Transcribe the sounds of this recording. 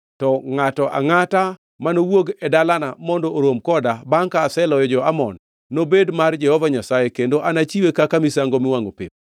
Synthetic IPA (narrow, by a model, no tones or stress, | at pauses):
tɔŋatɔʔa̰ŋata | manowoɡɛdalanamɔndɔoɾomkɔdabaŋkaːsɛlɔjɔd͡ʒɔamɔ̰nː | obedmard͡ʒɛhɔvaɲasajekendoʔanat͡ʃiwekakamisaŋɡomɪwaŋo̰pḭp̚